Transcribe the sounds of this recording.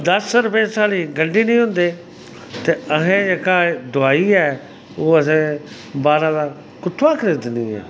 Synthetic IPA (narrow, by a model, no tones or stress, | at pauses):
d̪əsɾʊpeːsaːliːɡəɳɖiːnəĩːɦʊ̃nd̪eː | t̪eːəɦẽːd͡ʒeːkaːd̪ʊaːiːɛː | oːəs̬ẽː | baːɾãːd̪ãː | kʊt̪ʰːãːkəɾeːd̪ɪnd̪iːɛ̰ː